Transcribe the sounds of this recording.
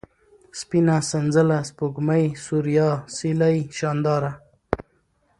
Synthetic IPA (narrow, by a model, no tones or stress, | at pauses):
spinasanzəlaspuɡmajsuɾijɑːsilajʃɑːnd̪ɑːɾa